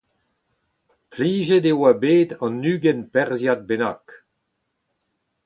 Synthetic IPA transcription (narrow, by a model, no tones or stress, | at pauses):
pliːʒedewabeːd̪ɑ̃nːyːɡɛnpɛʁzjat̪̚benak